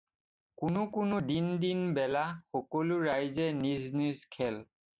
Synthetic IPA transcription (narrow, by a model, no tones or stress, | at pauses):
kʊnʊkʊnʊdindinbɛlaxɔkɔlʊɹajzɛniznizkʰɛl